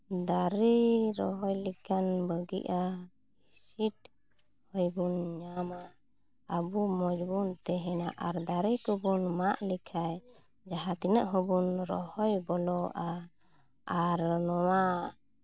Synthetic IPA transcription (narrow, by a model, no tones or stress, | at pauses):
d̪aɾiɾɔɦɔjlikʰanbəɡḭʔa | isit̪̚ | hɔjbunɲama | əbumɔd͡ʒbunt̪ɛɦɛnaʔaɾd̪aɾikɔbunmaʔlikʰaj | d͡ʒaɦat̪inəʔɦɔbunɾɔhɔjbɔlɔʔa | aɾnɔwa